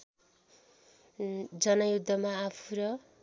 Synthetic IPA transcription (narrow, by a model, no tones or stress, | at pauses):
d͡zʌnʌjud̪ʱːʌmaːpʰuɾʌ